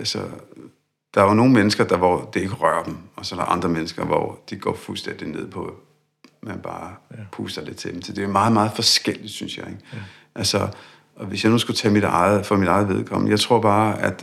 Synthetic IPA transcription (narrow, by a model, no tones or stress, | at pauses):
ælsɒ | d̥ɑ̈æono̝ːn̩menəsɡ̥ɐd̥ɑ̈ʋɒd̥ee̝ɡ̥əʁɶɐd̥em̩ɒ̽sɒ̽d̥ɑ̈ʔɑ̈nd̥ʁɐmenəsɡ̥ɐʋɒ̰d̥iɡ̥ɒ̰ːfulsd̥en̰d̥ine̝ð̞̰ˠpʰɒ̽æ | mænb̥ɑ̈ːpʰuːsɐle̝d̥̚t͡sʰe̝d̥em̩sʰed̥e̝æmɑ̈ːð̞̩ˠmɑ̈ːð̞̩ˠfɒ̽sɡ̥el̰id̥synsjɑ̈ɪe̝ɡ̥ | ʔælsɒ | ɒ̽ʋe̝sjɑ̈ɪnoːsɡ̥ut͡sʰɛmid̥ɑ̈ɪð̩ˠfɒmidɑ̈ɪð̞̩ˠʋe̝ð̞ˠkʰɒ̽m̰əjɑ̈ɪt͡sʰʁo̝ɐ̰b̥ɑ̈ːæd̥